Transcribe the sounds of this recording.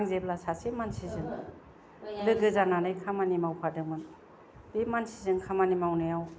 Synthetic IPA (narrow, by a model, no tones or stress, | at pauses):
ŋzeb̚lasasemansizɯn | lɯɡɯzananɯjkʰamanimawpʰadɯmɯn | dimansizɯŋkʰamanimawnɯjaw